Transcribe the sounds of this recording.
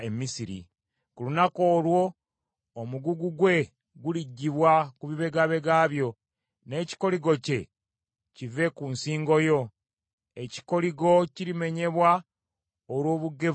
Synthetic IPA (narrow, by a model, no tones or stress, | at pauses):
emisiɾḭ | kulunako̞ːlwo̞ː | muɡuɡuɡwe̞ | ɡuliɟːiβwakuβiβe̞ɡaβe̞ɡaβjo̞ | ne̞ːci̥ko̞liɡo̞ce̞ | cive̞kunsiːŋɡo̞jo̞ | e̞ci̥ko̞liɡo̞cilime̞ɲe̞βwa | olwo̞ːβuɡe̞